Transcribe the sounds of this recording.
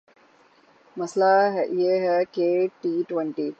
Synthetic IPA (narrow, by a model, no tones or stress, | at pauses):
mɐslaɦɛʔieɦɛkeːʈiːʈʋɛ̃ɳʈiː